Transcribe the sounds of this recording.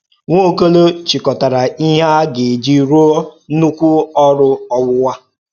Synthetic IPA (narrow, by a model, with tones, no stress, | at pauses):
ŋʷo˦˨ko˦lo˦t͡ʃi˨kɔ˨ta˨ɾa˨i˦ɦa˦ɡɪ˨d͡ʒi˦ɾo˦nu˦kʷu˦ɔ˦ɾʊ˦ɔ˦wʊ˦wa˦